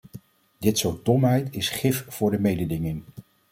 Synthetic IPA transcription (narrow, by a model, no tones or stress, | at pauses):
dɪtsoɹt̚dɔmɦɛjtɪsχɪfv̥ʊːɹdəmejdədɪŋɪŋ